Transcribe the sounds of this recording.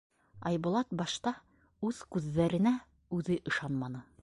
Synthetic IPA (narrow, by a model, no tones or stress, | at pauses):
ɑ̰jbŏlˠɑt̪̚bɑʃt̪ɑ | ʉð̥kʉðːæɾɘ̆næ | ʉðɘʔɤ̆ʃɑnmɑnɤ